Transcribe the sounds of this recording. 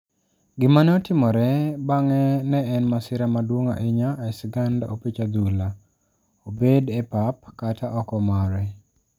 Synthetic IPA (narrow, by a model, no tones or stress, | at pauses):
ɡɪmanɛɔtɪmɔɾɛbaŋɛnɛːnmasɪɾamadwoŋa̰ʔɪɲaɛsɡanda̰opit͡ʃad̪ula | obedɛpap̚katʰaʔɔkɔmaɾɛ